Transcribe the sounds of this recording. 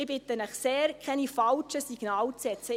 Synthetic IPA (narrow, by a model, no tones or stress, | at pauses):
ɪb̥ɪt̪ənəχseːɾkʰɛnifɑlt͡ʃəsiɡ̥naːlt͡sɛt͡sə